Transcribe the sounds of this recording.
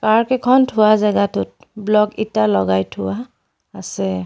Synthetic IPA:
kaɹkɛkʰɔntʰʊwazaɡatʊt̚ | blɔkitalɔ̰ɡajtʰʊwaː | sɛ

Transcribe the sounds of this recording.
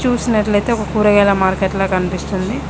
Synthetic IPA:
t͡ʃuːsinɐʈlɐjt̪e̞ːɔkɐkuːɾɐɡɛːlɐmaːɾkeʈloːkɐnipist̪und̪i

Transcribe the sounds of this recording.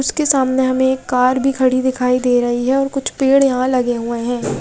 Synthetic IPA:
ʊskesaːmneɦɐmẽːkːaːɾbʱikʰɐɽ̤id̪ɪkʰaːid̪eːɾɐɦiɦɛɔːɾkʊt͡ʃʰpeːɽjɐɦãlɐɡeɦueɦɛ̃ː

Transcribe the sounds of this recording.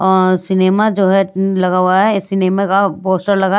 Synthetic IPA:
ɔːɾɾsɪneːmad͡ʒoːɦɛlɐɡaɦuaɛɪsɪneːmakapoːsʈəɾlɐɡa

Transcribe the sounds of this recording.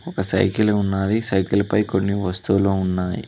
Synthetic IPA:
ɔkɐsɐ̰jkiluunːaːd̪isɐjkilɐpɐjko̞nːiʋɐst̪uloːunːaːjḭ

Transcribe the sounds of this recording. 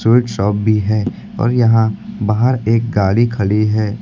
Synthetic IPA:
ɪːʈʃɔːp̚bʱiɦɛː | ɔ̰ːɾjɐɦãbaːɦəɾeːk̚ɡaːlikʰɐliɦɛː

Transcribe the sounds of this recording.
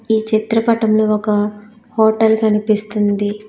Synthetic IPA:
iːt͡ʃit̪ɾɐpɐʈɐmloːɔkɐ | hɔːʈɐlkɐnipist̪und̪i

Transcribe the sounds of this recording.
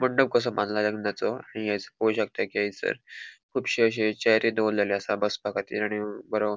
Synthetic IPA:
məɳɖəb̚kəs̬əmanlaləɡnat͡soaɽ̃ijajt͡səkojɕək̚t̪akijajit͡sə̰ɾkʰuːpɕiəɕ̬et͡ɕajɾid̪olːaleəsabəspakat̪ḭːlaɽ̃ibəɾo

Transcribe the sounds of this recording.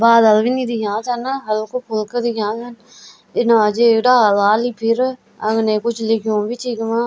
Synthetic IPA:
baːd̪əlʋiːnĩːd̪ikãːsənɦəlkopʰʊlkəd̪ikãːsən | ɪnãːd͡ʒeɖaːlaːliːpʰɪɾ | əŋnẽːkʊt͡ʃʰlɪkʰjõːbit͡ʃʰiːɡmãː

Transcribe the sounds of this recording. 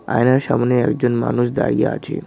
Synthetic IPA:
a̰jnaɾʃamɔneɛkd͡ʑonma̰nuʃ̬d̪a̰ɾijaa̰t͡ɕʰḛ

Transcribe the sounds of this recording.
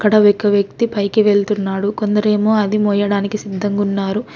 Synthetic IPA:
kːɐɽɐʋekɐʋjɐk̚t̪ipɐjkiʋe̞ɭt̪unːaːɽuko̞nd̪ɐɾe̞ːmo̞ːɐd̪imoːjɐɽaːnikisid̪ːɐŋɡunːaːɾu

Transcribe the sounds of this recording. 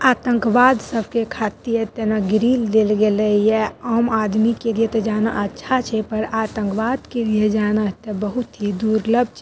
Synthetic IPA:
aːt̪ə̃ŋkʋaːd̪səbʱkekʰat̪ijət̪enaɡɾild̪elɡelɛjɛəmad̪mikelijet̪ɔd͡ʒaːna̰ʔətːʃʰat͡ʃʰɛpəɾat̪ə̃ŋkʋad̪kelijed͡ʒanat̪ebəɦut̪ɦid̪uɾləb̚ʱt͡ʃʰ

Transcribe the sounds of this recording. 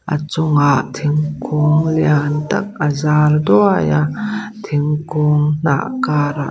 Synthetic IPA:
ʔa̰t͡sʊŋaʔt̪ʰiŋkʰʊŋliant̪ɐk̚əzaːld̪uajat̪ʰiŋkʊŋn̥a̰ʔkaːɾa̰

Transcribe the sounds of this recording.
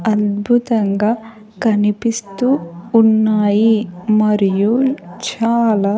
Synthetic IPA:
ɐd̪bʱut̪ɐŋɡaː | kɐnipist̪uːnːaːjimɐɾijut͡ʃaːlaː

